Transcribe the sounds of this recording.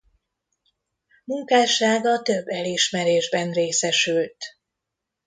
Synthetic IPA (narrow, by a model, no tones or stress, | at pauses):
muŋkaːʃaːɡɒt̪øbːɛliʃmɛɾeːʒbɛnreːsɛʃylt̪